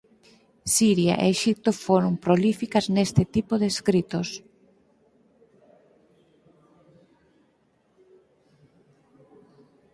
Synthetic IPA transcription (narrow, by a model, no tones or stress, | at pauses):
siɾja̰ʔḛeʃip̚t̪ofoɾʊmpɾolifikɐznest̪ɪt̪ipoðeskɾit̪os